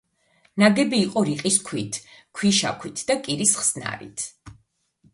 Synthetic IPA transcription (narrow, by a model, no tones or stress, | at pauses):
naɡɛbiːqʼɔɾiqʼiskʰwit̪ʰkʰwiʃa̰kʰwit̪ʰd̪̥akʼiɾisχsna̰ɾḭt̪ʰ